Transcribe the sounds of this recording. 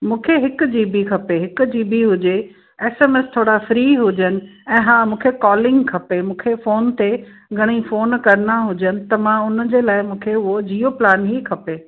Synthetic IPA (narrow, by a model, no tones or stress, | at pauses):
mũːkʰeɦɪkʊ̆d͡ʑiːbikʰɐpeɦɪkʊd͡ʑiːbiɦʊd͡ʑe | eːseːmeːst̪ʰoːɽafɾiːɦʊd͡ʑənɪ̆ɛ̃ːɦãːmũːkʰekɔːlɪ̃ŋɡkʰɐpemũːkʰefoːnt̪e | ɡʱɐɽ̃ifoːnkɐɾnaɦʊd͡ʑənɪ̆t̪ɐmãʊnə̆d͡ʑeːlaːɪmũːkʰeʊɦod͡ʑiːoplaːnɦikʰɐpeː